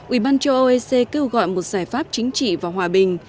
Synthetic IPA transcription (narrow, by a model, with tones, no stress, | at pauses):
ʔʔi˧˩ɓaː˧nt͡ɕə˧ʔo˧ʔe˧se˧ke˧wɣɔ̰˧˨jmo˨˩t̚z̥aː˧˩jfaː˦˥p̚t͡ɕï˨˦ŋ̟t͡ɕḭ˧˨vaː˨˩ɦwaː˨˩ɓï˨˩ŋ̟